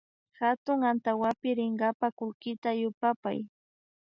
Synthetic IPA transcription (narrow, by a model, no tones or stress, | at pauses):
xat̪ʊŋant̪awapɪɾɪŋɢapakʊlkɪt̪ajʊpapa̰j